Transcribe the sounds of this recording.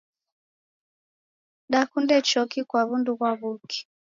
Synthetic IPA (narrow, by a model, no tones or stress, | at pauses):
ɗakundɛt͡ʃɔkikwaβunduɣwaβuki̥